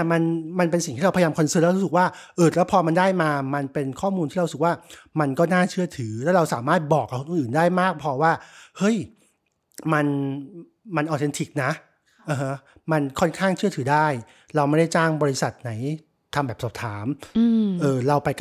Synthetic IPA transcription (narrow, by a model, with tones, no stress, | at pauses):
ɛ˥˩ma˧nma˧npe˧nsi˨˩ŋt̪ʰiː˥˩a˧wpʰjaː˧mkʰnsɯ˥˩˨lɛ˦˥˧ɾu˦˥sɯ˨˩k̚waː˥˩ʔɤː˧˩lɛː˦˥wpʰɔː˧ma˧ndaː˥˩jmaː˧ma˧npe˧nkʰɔː˥˩muː˧nt̪ʰiː˥˩a˧˦sk̚waː˥˩ma˧nkɔː˥˩naː˥˩t͡ɕʰɯ˥˩ɐt̪ʰɯː˩˦lɛ˦˥ɾa˧wsaː˩˦maː˥˩t̪̚bɔː˨˩k̚ʔa˧kʰːnʔuː˨ʔɯː˨˩ndaː˥˩jmaː˥˩k̚pʰɔ˧waː˥˩hɤ˦˥˩j | ma˧n | ma˧nʔaː˨˩t͡ɕe˧nt̪ʰi˨˩k̚na˦˥ʔ | ʔaː˧˩ɦa˦˥ | ma˧nkʰɔ˥˩nkʰaː˥˩ŋt͡ɕʰɯ˥˩ɐt̪ʰɯː˩˦daː˥˩j | ɾa˧wma˥˩da˥˩jt͡ɕaː˥˩ŋbɔː˧ɾi˧˥sa˨˩t̪̚na˩˦j | t̪ʰa˧mbɛː˨˩psɔː˨˩p̚t̪ʰaː˩˦mː˧ʔɤː˨˧˩ɾa˧wpa˧j